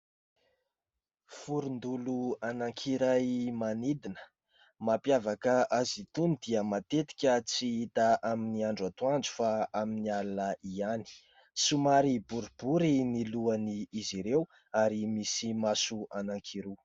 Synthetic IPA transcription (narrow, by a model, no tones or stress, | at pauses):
fuɾund̪uluanaŋkʰiɾajmanid̪inə̥ | mapjavakəʔazit̪unid̪iəmat̪et̪i̥kʲət͡siit̪aʔaminiaɳɖ͡ʐat̪uand͡zu̥faaminialanəiani̥ | sumaɾibuɾib̥uɾiniluaniːziɾew | aɾimisimasuanaŋkʰiɾu